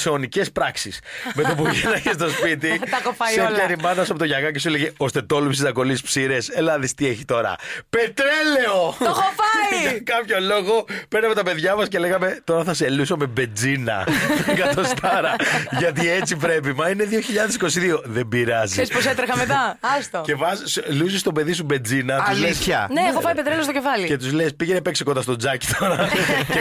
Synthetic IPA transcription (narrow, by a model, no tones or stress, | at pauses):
senice̞spɾɐksisme̞t̪opuʝenɐçest̪ospit̪̬iɐkofɐeɾimɐnɐs̬ɐpot̪ʝɐɣɐcesueleʝeo̞st̪e̞t̪o̞lupsizɐko̞lispsiɾese̞lɐðist̪ie̞çit̪o̞ɾɐ̰pe̞t̪ɾele̞ooxofɐiɐkɐpço̞lo̞ɣo̞peɾnɐme̞t̪ɐpe̞ðʝɐmɐsce̞le̞ɣɐme̞t̪o̞ɾɐθɐselusome̞be̞d͡zinɐ̰t̪oŋɡɐt̪ost̪ɐɾɐʝɐt̪iet͡sip̬ɾe̞p̬imɐine̞ðio̞çiʎɐðesi̥ko̞siðio̞ðe̞mbiɾɐzisesposet̪ɾexɐmet̪ɐɐst̪oce̞vɐslusist̪o̞pe̞ðis̬ube̞nd͡zinɐt̪uzlesçɐneexofɐjpet̪ɾelest̪ocefɐlie̞t̪uzle̞spiʝenepe̞ksekod̪ɐst̪o̞d͡zɐci̥t̪ʰo̞ɾɐe